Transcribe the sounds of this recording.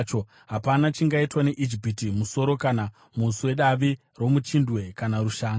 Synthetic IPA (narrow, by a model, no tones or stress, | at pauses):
t͡ʃo̞ | ɦapanat͡ʃiŋɡaitwane̞ʔid͡ʒipitimuso̞ɾo̞kana | musuwe̞ɗaʋi | ro̞mut͡ʃindwe̞kanaɾuʃaːŋ